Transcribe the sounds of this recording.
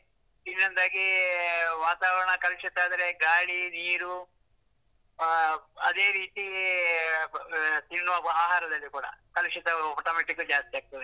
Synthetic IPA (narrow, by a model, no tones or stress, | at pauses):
t̪inːɐnd̪aːɡi | ʋaːt̪aːʋɐɾɐɳɐkɐlʂit̪ːaːd̪ɐɾeɡaːɭiniːɾu | ɐd̪e̞ːɾiːt̪i | t̪inːuʋɐbɐaːɦaːɾɐd̪ɐlːikuːɽɐ̰kɐluʂit̪ɐmʈɐːmeʈikːud͡ʒaːst̪ijaːɡ̚t̪ɐd̪i